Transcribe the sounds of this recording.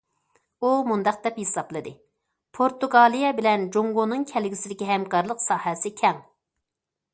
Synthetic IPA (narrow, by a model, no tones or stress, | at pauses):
umund̪ɑq̚d̪ɛphesɑplˠɨd̪ɨ | pʰoɾt̪uɡɑːlˠijɛbɪlɛnd͡ʒoŋɡonɨŋkʲʰɛlɡʲisɪd̪ɪkʲiɦɛmkʰɑɾlˠəqsɑːhɛsɪkʲʰɛŋ